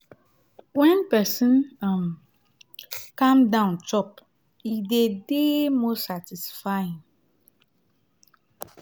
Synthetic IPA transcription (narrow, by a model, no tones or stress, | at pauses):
wɛ̃npɛsə̃nam | kãmdãʊ̃nt͡ʃɔp | idedemosatisfaĩm